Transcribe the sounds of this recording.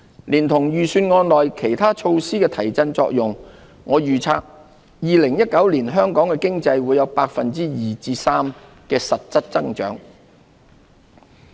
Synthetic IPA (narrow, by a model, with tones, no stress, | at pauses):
liː˨˩nt̪ʰʊ˨˩ŋjyː˨˩syː˧nŋɔː˧nlɔː˨˩jkʰe˨˩jt̪ʰaː˥t͡ʃʰo˧wsiː˥kɛː˧t̪ʰɐ˨˩jt͡sɐ˧nt͡sɔ̰ː˧k̚jʊ˨˩ŋ | ŋɔː˨˧jyː˨t͡sʰa̰ː˧k̚ | jiː˨˧lɪ˨˩ŋjɐ˥t̚kɐ˨˥wliː˨˩nɦœː˥ŋkɔː˨˥ŋkɛː˧kɪ˥ŋt͡sɐ˧jwuː˨˧jɐ˨˧wpaː˧k̚fɐ˨nt͡siː˥jiː˨t͡siː˧saː˥m | kɛː˧sɐ˨t̚t͡sɐ˥t̚t͡sɐ˥ŋt͡ʃœ̰ː˨˥ŋ